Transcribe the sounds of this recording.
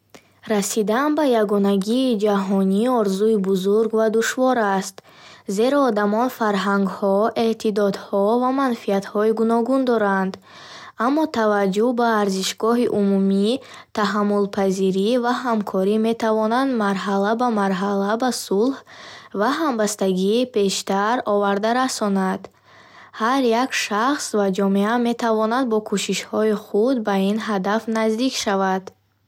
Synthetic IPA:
ɾasid̪anbajaɡɔnaɡiːd͡ʒaɦɔniɔɾzuibuzuɾɡvad̪uʃvɔɾast̪ze̞ɾɔːd̪amɔnfaɾɦaŋɡhɔe̞t̪ʰid̪ɔd̪hɔvamanfiat̪hɔiɡunɔɡund̪ɔɾand̪ | amːɔt̪ʰavad͡ʒːuhbaːɾziʃɡɔɦiʔumumi | t̪ʰaɦamːulpʰaziɾivaɦamkʰɔɾime̞t̪ʰavɔnand̪maɾɦalabamaɾɦalabasulhvaɦambast̪aɡiːpʰe̞ʃt̪aɾɔvaɾd̪aɾasɔnad̪̥ | haɾjakʃaχsvad͡ʒɔmeame̞t̪ʰavɔnad̪̚bɔkʰuʃiʃhɔiχud̪̚bainɦad̪afnazd̪ikʃavad̪̥

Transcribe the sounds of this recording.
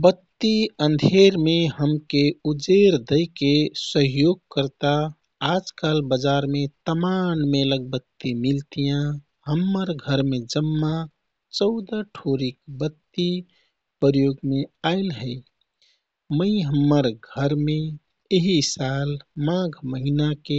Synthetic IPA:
bət̪ːiənd̪ʱeɾmeɦəmkeud͡ʒeɾd̪əɪkesəɦjoɡ̚kəɾt̪aː | d͡ʒkəlbəd͡ʒaɾmet̪əmanmeləɡ̚bət̪ːimilt̪ijã | ɦəmːəɾɡʱəɾmed͡ʒəmːa | t͡ʃəʊd̪aʈʰoɾik̚bət̪ːi | pəɾjoɡmeaɪlɦəɪ | məiɦəmːəɾɡʱəɾme | eɦisalmãɡʱməɦinake

